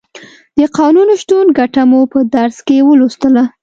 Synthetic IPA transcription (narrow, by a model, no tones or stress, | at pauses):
d̪̥əqɑnunʃt̪unɡaʈamupəd̪aɾskewəlust̪əla